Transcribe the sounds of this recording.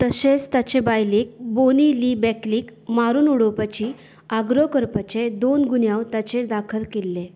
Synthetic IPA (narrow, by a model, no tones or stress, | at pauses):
t̪əset͡st̪at͡ɕebajliːk̚boniliːbɛkliːkmaɾuːnuɽopat͡ɕiː | aɡɾokəɾpat͡ɕed̪onɡunjawt̪at͡ɕeɾd̪akʰəlkelːe